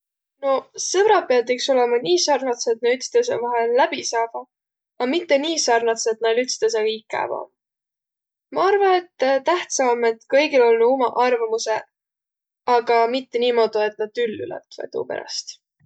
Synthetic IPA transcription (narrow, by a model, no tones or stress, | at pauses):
no̞sɤbɾɑpeɑd̪ikso̞le̞mɑniːsɑrnɑt̪set̪nɑyt̪st̪es̬evɑɦelːæb̥isɑːb̥ɑ | ɑmit̪ːe̞niːsɑrnɑt̪set̪nɑlyt̪st̪es̬ekikːæ̰ːvɑo̰m | mɑɑrvɑne̞t̪ːt̪æht̪sɑme̞t̪kɤjɡilo̞lnuumɑʔɑrvɑmuse̞ | ɑɡ̥ɑmit̪ːe̞niːmo̞d̪̥ue̞t̪nɑd̪̥ylːy̰lɛ̰t̪vḛt̪ṵːpeɾɑ̰st̪